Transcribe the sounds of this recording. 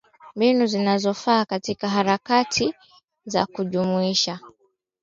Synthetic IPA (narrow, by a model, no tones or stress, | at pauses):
mbinuzinazɔfaːkatikaɦaɾakatʰi | za̰kuʄumuiʃa